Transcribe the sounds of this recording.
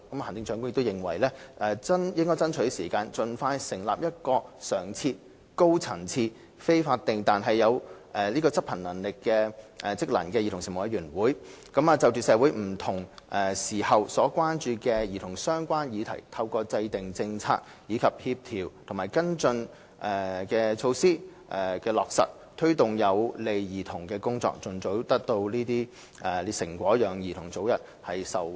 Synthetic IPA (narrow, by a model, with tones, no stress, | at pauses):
kɐ˨˥mː˧hnt͡sɪ˧ŋt͡ʃœː˨˧˥kʊ˥jɪ˨kt̪wjɪ˨ŋwɐ̰˨˩jlɛː˥ʔɛː˨t͡sɐ˥njɪ˥ŋkɔ˥jt͡sɐ˥nt͡ʃʰɵ˨˥ɥsiː˨˩kaː˧nt͡sɵ˨nfaː˧jsɪ˨˩ŋla̰ː˨p̚jɐ˥t̚kɔː˧sœː˨˩ŋt͡sʰiː˧t̚ | ko˥wt͡sʰɐ˨˩ŋt͡sʰiː˧ | fe˥jfaː˧t̚t̪ːɪ˨ŋt̪aː˨nɦɐ˨jːɐ˨˧wʔɛː˨˩liː˥kɔː˧t͡sɐ˥p̚ʰɐ˨˩nɐ˨˩nlɪ˨kːɛː˧ɛ˨t͡sɪ˥k̚lɐ̰˨˩nkɛː˧ji˨˧ʊ˨˩ŋsɪ˨ŋmo˨wjɐ˨˧jɥyː˨˩nwuː˨˥jkɐ˨˥maː˨t͡sɐ˨wt͡syː˨sɛː˨˧˥wu˨˥jm̩˨˩t̪ʰʊ˨˩ŋʔɛː˨siː˨˩hɐ˨wsɔː˨˥kʷaː˥nt͡ʃyː˧kɛː˧jiː˨˩t̪ʰʊ˨˩ŋsœː˥ŋkʷaː˥njiː˨˧t̪ʰɐ̰˨˩jt̪ʰɐ˧wkɔː˧t͡sɐ˧jt̪ɪ˨ŋt͡sɪ˧ŋt͡sʰa̰ː˧k̚ | jiː˨˧˥kʰɐ˨p̚hiː˧p̚t̪ʰiː˨˩wt̪ʰʊ˨˩ŋmaː˨˩jkɐ˥nt͡sɵ˧n | ʔɛː˨kɛː˧t͡ʃʰo˧wsiː˥ʔɛ˨˩kɛː˧lɔː˨k̚sɐ̰˨t̚ | t̪ʰɵ˥ɥt̪ʊ˨˩ŋjɐ˨˧wle˨jjiː˨t̪ʰʊ˨˩ŋkɛː˧kʊ˥ŋt͡sɔ̰ː˧k̚t͡sɵ˨˩nt͡so˨˥wt̪ɐ˥k̚t̪o˧wliː˥t̪iː˥ | ɛː˨sɪ˨˩ŋkʷɔː˨˥jœː˨˩ŋjiː˨˩t̪ʰʊ˨˩ŋt͡so˨˥wjɐ˨t̚ | hɐ˨jsɐ˨˩w